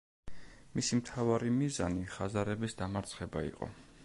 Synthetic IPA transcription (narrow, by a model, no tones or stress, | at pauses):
misimt̪ʰavaɾimizaniχazaɾɛbisd̪amaɾt̪sʰχɛba̰ḭqʼɔ̰